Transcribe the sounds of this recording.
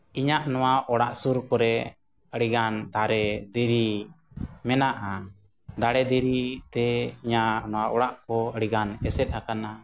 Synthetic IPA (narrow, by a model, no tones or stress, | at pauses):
iɲaʔnɔwaʔɔɽaʔsuɾkɔɾɛ | əɽiɡand̪aɾɛd̪iɾi | mɛnaʔa | d̪aɽɛd̪iɾit̪ɛiɲaʔnɔwaʔɔɽaʔkɔəɽiɡanɛsɛt̪̚hakana